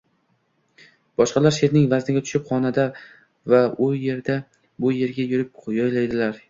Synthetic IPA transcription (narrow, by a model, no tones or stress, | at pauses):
b̥ɒʃqɑlaɾʃe̞ɾnɪŋvaznɪɡʲat̪ʰʊ̥ʃɪpχɒnad̪a | vaʊje̞ɾd̪a | bʊje̞ɾɡʲajʊɾɪp̚ʰjɒjlajd̪ɪlaɾ